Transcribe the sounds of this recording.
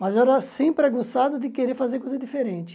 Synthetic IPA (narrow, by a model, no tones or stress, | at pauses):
mɐzɛɾɐsẽpɾɛɡosad̪ɐd̪ɪkeɾeɾfazeɾkojzɐd̪ifeɾẽnt͡ʃɪ̥